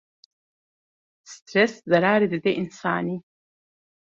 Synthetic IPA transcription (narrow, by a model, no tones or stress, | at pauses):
stʰreszaɾaːɾidɨd̪eʔinsa̰ːni